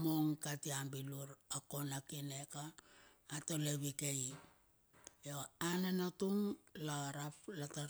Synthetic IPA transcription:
moŋkatiambiluɾako̞nakine̞kaː | to̞leβikei | joanenotuŋlaɾaplata

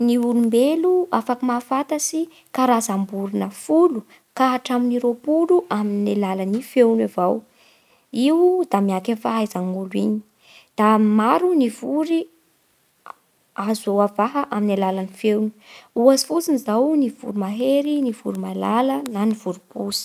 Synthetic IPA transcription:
niulumbeluafakəmafat̪əsi | kaɾazambuɾunəfulu | kaɦaʈ͡ʂaminiɾopuluʔaminalalanifewnavaw | iwd̪amiakenfaɦajizaŋulwiɲi̥ | d̪̥amaɾunivuɾi | azawavaɦəʔaminalalanifewnu̥uazi̥fut͡sinizawnivṵɾimaɦeɾinivṵɾimalalənaniv̥uɾubusi̥

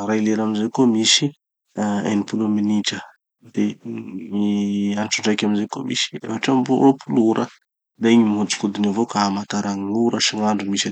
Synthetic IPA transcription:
ɾajleɾamizekomisi | a̰jnipulominiʈ͡ʂə | d̪̥emianʈ͡ʂuɳɖ͡ʐajkʲaminzeko̰misi̥ḛfaʈ͡ʂambṵɾopʰuluɾə | d̪eeŋimɦud͡zi̥kud̪inivokaamat̪aɾaŋiuɾəsiŋaɳɖ͡ʐumisa

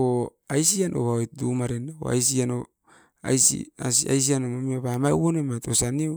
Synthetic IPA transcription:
oajsianʔo̰βaojt̚dumaɾenao̰a̰jsiano | a̰jsḭasia̰js̬ianomamiaβamawonomatosanio

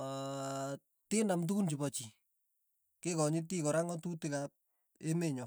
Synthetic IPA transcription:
tɪnamt̬ukunt͡ʃibɔt͡ʃi | kɪkɔɲit̬ikɔɾaŋɔtutikap̚ | emeɲɔ

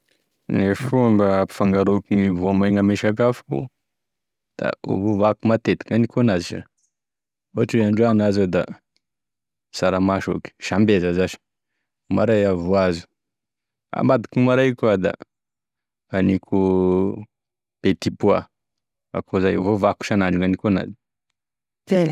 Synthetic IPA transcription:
nefuambapi̥faŋɡaɾokiŋivoamajŋameʃakafu̥kṵ | d̪̥a̰o̰vovakumat̪et̪i̥kanikonaziʃa̰ | oaʈ͡ʂuaɳɖ͡ʐoanazod̪a | saɾamaʃo̰ki̥ʃambezazaʃi̥ | ma̰ɾajavuazu̥ | a̰mad̪i̥kumaɾajkuad̪a̰ | anikʰu | pet̪ipua̰ | a̰kʰozajvovaku̥ʃanaɳɖ͡ʐuŋanikona̰zi̥ | e

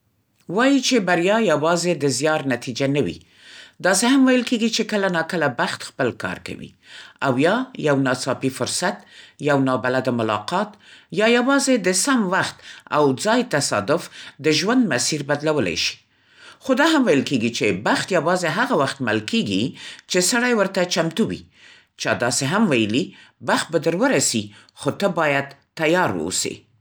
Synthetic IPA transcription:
wɑjit͡ʃebaɾjɑjawɑzed̪əzjɑɾnat̪id͡ʒanawḭ | d̪ɑsehamwajəlkeɡit͡ʃekəlanɑkəlabaxt̪xpəlkɑ̰ɾka̰wḭ | awjɑjawnɑsɑpifʊɾsat̪jawnɑbalad̪amʊlɑ̰qɑt̪jɑjawɑzed̪əsamwaxt̪a̰wd͡zɑjt̪asɑ̰d̪ʊfd̪əʒwand̪masiɾbad̪lawəla̰jʃi̥ | xod̪ɑɦamwajəlkeɡit͡ʃebaxt̪jawɑzeɦaɣawaxt̪ma̰lkeɡit͡ʃesaɽajwəɾt̪at͡ʃamt̪uwḭ | t͡ʃɑd̪ɑseɦamwajəlibaxt̪̚bad̪əɾwəɾasi | xot̪əbɑjad̪t̪ːajɑɾwə̰sḛ

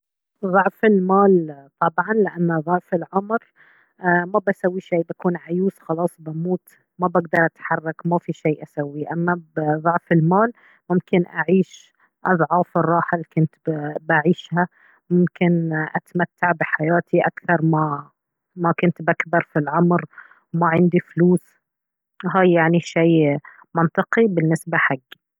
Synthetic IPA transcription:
ðˤʊʕfɪlmaːlt̪ˤɑbʕɑnlɪʔanːaðˤʊʕfɪlʕʊmɾ | mabasawːiʃiːbakuːnʕajuːsxɑlɑːsˤbamuːt̪ | mabaɡd̪ɑɾˤʔat̪ħɑrˤːɑkmafiʃijːʔasawːiʔamːabðˤʊʕfɪlmaːl | mʊmkɪnʔaʕiːʃ | ʔɑðˤʕɑːfɪrˤːɑːħalkʊnt̪baʕiːʃha | mʊmkɪnʔa̰t̪amat̪ːaʕbɪħajaːt̪ʰiʔakθɑɾˤma | makʊnt̪bakbɑɾˤfilʕʊmɾ | maʕɪnd̪ifluːs | ɦaːjːaʕniʃaː | mɑnt̪ˤɨqibɪnːɪsbaħaɡː

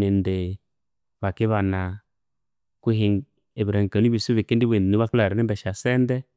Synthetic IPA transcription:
nende | βakiβana | kuɦi | ebɾeŋkanibisuβekendibemuβakaɾeibɛʃasɛndɛ

